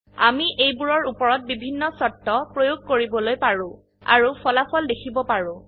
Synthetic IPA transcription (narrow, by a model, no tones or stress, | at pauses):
amiʔejbuɹɔɹupɔɹɔt̚bibʱinːɔsɔtːɔpɹojoɡ̚koɹibɔlojpaɹʊ̃ | a̰ɹupɔlapʰɔldekʰibɔpaɹʊ̃